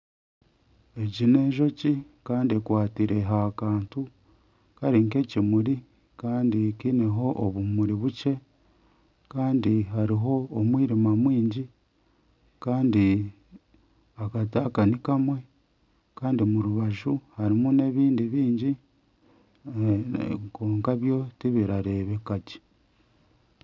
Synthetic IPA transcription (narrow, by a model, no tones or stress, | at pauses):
e̞ɟine̞ːʒo̞ci | kaːndiekwaːtiɾe̞ɦakaːntu | kaɾiŋke̞cimuɾi | kaːndikineɦo̞ʔoβumuɾiβuce̞ | kaːndihaɾiɦo̞ːmwiːɾimamwiːɲɟi | kaːndi | akataːkanikamwe̞ | kaːndimuɾuβaʒuhaɾimune̞βiːndiβiːɲɟi | koːŋkaβjo̞tiβiɾaɾe̞βe̞kaci̥